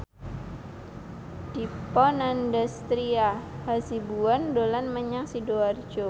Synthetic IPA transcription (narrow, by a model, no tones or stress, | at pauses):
d̥ipɔnandast̪ɾiahasibuandolanməɲaŋsidoard͡ʒo